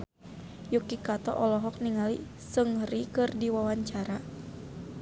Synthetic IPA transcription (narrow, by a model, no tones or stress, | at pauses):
jukikat̪ɔ̰ʔɔlɔɦɔk̚niŋali | səŋhɾikɨrdiwawaɲt͡ʃaɾa